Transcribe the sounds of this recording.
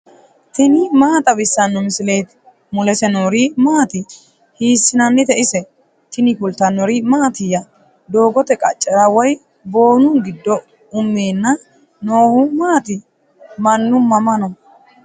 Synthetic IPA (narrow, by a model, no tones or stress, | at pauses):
t̪ɪnɪmaːt̪ʼɐbɪsːɐnːɔmɪsɪle̞ːt̪ | mʊlɛsɛnoːɾimaːt̪ɪ | hiːsːɪnɐnːɪt̪ɛʔɪsɛ | t̪ɪnɪkʊlt̪ɐnːɔɾɪmaːt̪ɪjɐ | d̪o̞ːɡɔt̪ɛkʼɐt͡ʃʼːɐɾɐwɔj | bo̞ːnʊnɡɪd̪ːɔ | ʊmːeːnːɐ | no̞ːhʊmaːt̪ɪ | mɐnːʊmːɐmɐnɔ